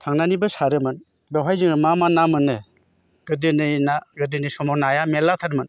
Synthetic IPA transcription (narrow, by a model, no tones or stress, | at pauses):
tʰaŋnanibɯsaɾɯmɯn | bewɦajzɯŋɯmamanamɯnːɯ | ɡ̥ɯdɯnɯjnaɡɯdɯnɯsɔmɔnajamelatʰaɾmɯn